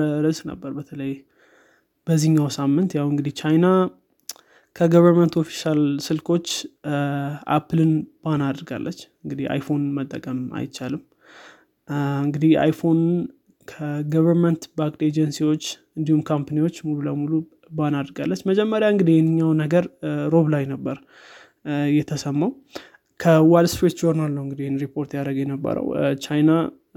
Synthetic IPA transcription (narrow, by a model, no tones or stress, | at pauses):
ɾəzknə̰bːəɾbət̪ʰələj | b̥əzːiɲːawsamːɨnt̪jawɨŋɡɨd̪iht͡ʃʰajna | kʰəɡəβəɾmənt̪o̞fi̥ʃalsɨlkʰo̞t͡ʃː | ʔa̰pʰɨlɨnbanad̪ɾɡa̰lːʔə̰t͡ʃːɨŋɡɨd̪ia̰jfo̞nmət̪ʼːəkʼəma̰jt͡ʃːalɨm | ɨŋɡɨd̪iha̰jfo̞nn | kʰəɡəβəɾmənt̪bak̪ʼed͡ʒənsiwo̞t͡ʃː | ɨnd̪ihumkʰampaniwo̞t͡ʃːmululəmulu | banad̪ɾɡa̰lːət͡ʃːməd͡ʒɛmːəɾjaɨŋɡɨd̪ihjɛnːɨɲːawnəɡəɾɾo̞βlajnəbːəɾ | jɛt̪ʰəsəmːaw | kʰəwaldspɾet̪d͡ʒoɾnalnəwɨŋɡɨd̪ihenɾipʰo̞ɾt̪jaɾəɡjɛnəbːə̰ɾə̰wt͡ʃajna